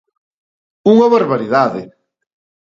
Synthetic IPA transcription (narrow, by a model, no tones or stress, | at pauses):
uŋɐβaɾβaɾiðaðɪ